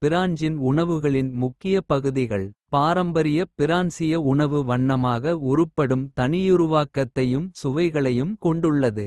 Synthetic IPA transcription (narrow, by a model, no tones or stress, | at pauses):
pɪɾaːɲd͡ʒɪnʊɳɐʋɯɣɐɭɪnmʊkːɪjɐpɐɣɯðɪɣɐɭpaːɾɐmbɐɾɪjɐpɪɾaːnsɪjɐʊɳɐʋɯʋɐɳːɐmaːɣɐʊɾɯpːɐɽɯmt̪ɐnɪjʊɾʊʋaːkɐt̪ːɐjɯmsʊʋɐɪɣɐɭɐjɯmkɔɳɖɯɭːɐðɯ